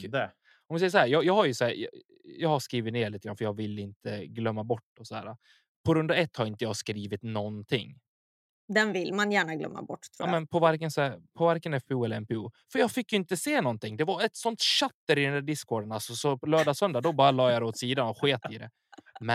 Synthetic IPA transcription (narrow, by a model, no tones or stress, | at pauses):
ɔmvɪsɛjːəʂ̬ɔhæːɾjɑːjɑːhaɾjɵsɔhæːɾj̰ | jɑːhaskɾiːvɪt̪neːɭit̪əɡɾanfəɾjɑːɡvɪlːɪnt̪ʰəɡlœmːabɔʈːɔsɔhæ̰ːɾa | pʰɔɾɵnd̪aɛt̪ːhaɾɪnt̪əjɑːɡskɾiːvɪt̪nɔnt̪ʰɪ̰ŋː | d̪ɛnvɪlmanjæːɳaɡlœ̰mːa̰bɔ̰ʈːt̪ʰːɾmɛnpʰɔvaɾkənsæpʰɔvaɾkənɛfbɛuːɛlːəɾɛmpɛṵːfœɾjɑːɡfɪkːjɵɪnt̪əseːnɔnt̪ɪŋːd̪ɛvaɛt̪sɔnt̪ɕat̪ːəɾɪd̪ɛnd̪æːɖɪskʰːoːɖənalsɔsɔpɔlœːɖasœnd̪ad̪ɔbɑːɾalɑːjɑd̪ɛoːt̪siːd̪anɔɧeːt̪ɪd̪ɛ̰ | mɛ